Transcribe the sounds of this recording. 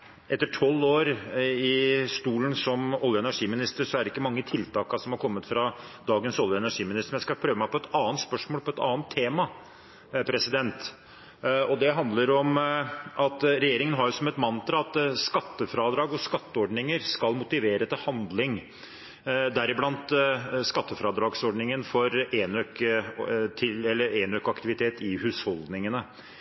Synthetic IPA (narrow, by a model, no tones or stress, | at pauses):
ʔɛt̪ːəʈʰɔlːoːɾɪst̪uːlən̩sɔmɔljəɛnæʂiːmɪnɪst̪əɾʂɔæɾɖɪkːəmɑŋːət̪ʰɪlt̪ʰɑːkɑsɔmhɑɾkʰɔmːət̪fɾɑd̪ɑːɡənsɔljəɛnæʂiːmɪnɪst̪əmjæɪskɑpʰɾøːʋəmæɪpʰɔɛt̪ɑːənt̪spœʂmoːlpʰɔɛt̪ɑ̰ːənt̪ʰːeːmɑ | pʰɾɛsɪd̪ɛnt̪ | ɔd̪ɛɦɑnd̪ləɾɔmʔɑt̪ɾɛjeːɾɪŋənɦɑɾjʊsɔmɛt̪mɑnt̪ɾɑɑt̪skɑt̪ːəfɾɑːd̪ɾɑːɡɔskɑt̪ːəɔɖnɪŋəɾskɑlmʊt̪ɪʋeːɾət̪ɪlhɑnd̪lɪŋ | d̪æɾɪblɑnt̪skɑt̪ːəfɾɑːd̪ɾɑːɡsɔɖɳnɪŋənfɔɾenøk | t̪ʰɪlɛlːəɾeːnøkɑkt̪ɪʋɪt̪ʰeːt̪ɪhʉːshɔld̪nɪŋənə